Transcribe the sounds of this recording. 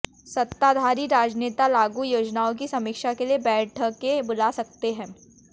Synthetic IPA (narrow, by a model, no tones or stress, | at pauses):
sɐt̪ːad̪ʱaːɾiɾaːd͡ʒneːt̪alaːɡujoːd͡ʒnaːõk̬isɐmɪkʃakeliebɛːʈʰəkːebʊlaːsɐk̚t̪eɦɛ̃ː